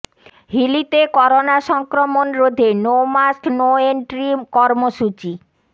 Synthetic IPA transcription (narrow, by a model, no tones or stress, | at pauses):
ɦilit̪ekɔɾonaʃɔŋkɾomonɾod̪ʱenomasknoeɳʈɾimkɔɾmoʃut͡ɕi